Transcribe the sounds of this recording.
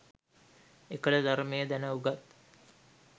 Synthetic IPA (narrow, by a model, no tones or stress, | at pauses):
ekəɖəd̪aɾmejəd̪ænəuɡat̪